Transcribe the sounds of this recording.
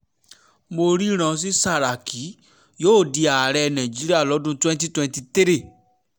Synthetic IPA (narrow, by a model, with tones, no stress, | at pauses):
mo˧ɾi˦ɾ̃ã˧s̬i˦sa˦˨ɾa˨kʰi˨˦ | joː˦˨di˧a˨ɾɛ˧nã˨d͡ʒi˨˦ɾi˦a˦˨lɔ˨˦dũ˦twɛ̃˦nt̬i˦twɛ̃˧nti˧te˦ɾi˦˨